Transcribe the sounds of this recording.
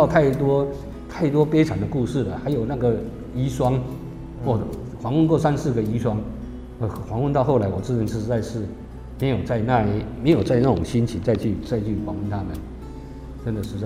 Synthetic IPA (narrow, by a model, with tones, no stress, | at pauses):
ɑ˥˧ʊt̪ʰa˥˩ɪt̪wɔ˥ | t̪ʰa˥˩ɪt̪wɔ˥pe˥ɪʈ͡ʂʰa˨˩nd̪ə˦ku˥˧ʂɻ̩˥˩lə˩xa˧˥ɪjo˨˩ʊna˥˩ɡə˩ | i˧˥ʂwɑ˥ŋ | xwɔ˥˩ | xwɑ˧˥ŋwə˥˧kwɔ˥˩sa˥nsɹ̩˥˩ɡə˩i˥ʂwɑ˥ŋ˥˩ | xwɑ˧˥ŋwə˥˧nt̪ɑ˥˧xo˥˩ʊla˧˥wɔ˨˩ʈ͡ʂ̩˥˩ə˧˩ʂ̩˧˥t͡sa˥˧ɪʂɻ̩˥˩ | me˧˥ɪjo˨˩ʊt͡sa˥˧ɪna˥˧˩i˧me˧˥ɪjo˨˩t͡sa˥˧ɪna˥˩ʈ͡ʂʊ˨˩ŋɕi˥nt͡ɕʰi˨˦t͡sa˥˧ɪt͡ɕʰy˥˩t͡sa˥˧ɪt͡ɕʰy˥˩xwɑ˧˥ŋwə˥˧nt̪ʰa˥mə̰˨n | ʈ͡ʂə˦nd̪ə˨ʂɻ̩˧˥t͡sa˥